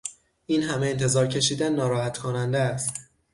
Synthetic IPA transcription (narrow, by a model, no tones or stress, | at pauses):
iːnɦæmeent̪ʰe̞zɒːɾcʰe̞ʃiːd̪ænːɒːɾɒːhæt̪kʰonænd̪eæst̪